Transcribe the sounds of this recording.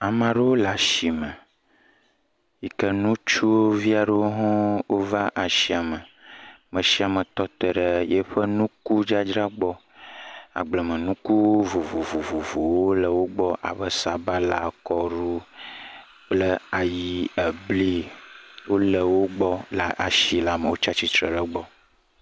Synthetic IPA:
a˨mã˨ɖə˦wo˦la˨ʃi˨mə˨ | ji˨kə˦nũ˦t͡ʃu˦wo˦vi˦a˨ɖə˦wo˦ɦɔ̃˦wo˦va˦ʔa˨ʃi˦a˨mə˨ | mə̃˨ʃi˦a˨mə˨t̪ɔ˦t̪ə˨ɖə˦jɛ˦ɸə˦nũ˦ku˦d͡ʒa˦d͡ʒɾa˦ɡ͡bɔ˦ | a̰˨ɡ͡blə˨mə̃˨nũ˦ku˦vo˨vo˨vo˨vo˨vo˨wo˦lə˨wo˦ɡ͡bɔ˦ʔa̰˨bə˦sa˨ba˦la̰˨kɔ˦ɾu˦ | k͡plə˦a˨ji˦ə˨bli˦wo˦lə˨wo˦ɡ͡bɔ˦la˨ʔa˨ʃi˨la˨mə˨wo˦t͡ʃa˦t͡ɕi˦t̪ɾə̰˨ɖə˦ɡ͡bɔ˦

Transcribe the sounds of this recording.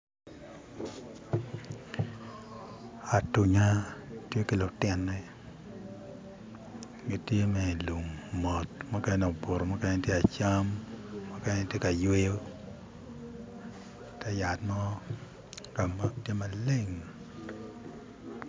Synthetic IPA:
a˨tu˨ɲa˦tje˦ki˨lʊ˨tɪ˦nːɛ˦ | ɡi˨tje˦mɛ˨lu˨ŋmɔ˨tma˦kɛ˦nɛ˨o˨bo˨ɾo˨ma˦kɛ˦n˦ntje˦a˨t͡ʃa˦mːa˦kɛ˦tje˦ka˨jwe˦jo˦ | tɛ˦ja˨tmɔ˦ | ka˨ma˦k̚tje˦ma˨le˦ŋ

